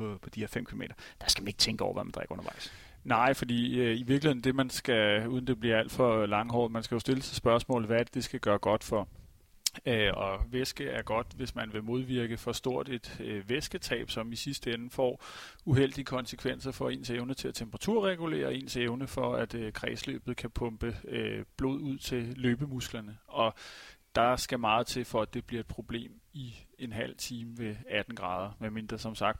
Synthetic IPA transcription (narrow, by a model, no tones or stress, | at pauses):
pɒpʰɒ̽d̥ihe̝ɐfem̰kʰilome̝̰ːɾ̥ɐd̥ɑ̈sɡ̥mæne̝ɡ̥ət͡sʰeŋɡ̥ɔ̰ʊ̰ɐʋæmænd̥ʁɛ̰ɡ̥ɔ̽nɐʋɑ̈ɪ̰s | nɑ̈ɪ̰fɒd̥ḭːøiʋiɐɡ̥lihe̝ðˠn̩d̥e̝mænsɡ̥æuːð̞ˠn̩d̥e̝b̥liɐæl̰d̥fɒ̽lɑ̈ŋəɦɒ̰ːmænsɡ̥æjo̝sd̥e̝lət͡sʰisb̥ɶɐsmɔ̰̽ːl̩ʋæɐd̥ed̥e̝sɡ̥æɡ̥ɶːɐɡ̥ɒ̽d̥fɒ̽ | øɒ̽ʋesɡ̥əæɐɡ̥ɒ̽d̥ʋe̝smænʋe̝mo̝ð̞ˠʋiɐɡ̥əfɒ̽sd̥o̝ɐ̰d̥e̝d̥ʋesɡ̥ət͡sʰɛ̰ːb̥sɒ̽misisd̥əenəfɒ̰ː | uɦel̰d̥iəkʰɒ̽nsəkʰʋen̰sɐfɒ̽e̝̰ːnseʊnət͡sʰe̝læt͡sʰemb̥əʁɑt͡sʰuɐ̰ʁɛɡ̥ule̝̰ːɐe̝̰ːnseʊnəfɒ̽æd̥kʰʁɛ̰ːslø̰ːb̥ð̩ˠkʰæpʰɔ̽mb̥əøb̥lo̝̰ð̞̰ˠuð̞̰ˠt͡sʰe̝løːb̥əmusɡ̥lɐnəʔɒ̽d̥ɑ̈sɡ̥æmɑ̈ːð̞̩ˠt͡sʰe̝lfɒ̽æd̥e̝b̥liɐed̥̚pʰʁo̝b̥le̝̰ːmienɦæl̰t͡sʰiːməʋe̝æd̥n̩ɡ̥ʁɑ̈ːð̞ˠɐmeme̝nd̥ʁɐsɒ̽msɑ̈ɡ̥̚d̥